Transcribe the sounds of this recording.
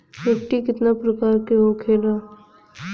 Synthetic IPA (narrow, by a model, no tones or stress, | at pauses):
ʋɪkʈikɪt̪napɾɐkaːɾkeɦokʰeːlaː